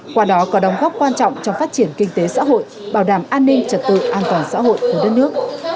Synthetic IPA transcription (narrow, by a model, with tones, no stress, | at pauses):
kwaː˧ɗɔ˨˦kɔ˨˦ɗə˨˦wŋ͡mɣɔː˦˥p̚kwaː˧nt͡ɕɔ̰˧˨wŋ͡mt͡ɕɔ˧wŋ͡mfaː˦˥t̚t͡ɕi˧˩ənkï˧ŋ̟t̪e˨˦sa̰ː˧˥ɦo̰˧˨j | ɓaː˧˩wɗaː˧˩mʔaː˧nːï˧ŋ̟t͡ɕə˨˩t̚t̪ɨ̰˧˨ʔaː˧nt̪waː˨˩nsa̰ː˧˥ɦo̰˧˨jku˧˩ɗə˦˥t̚nɨ˦˥ək̚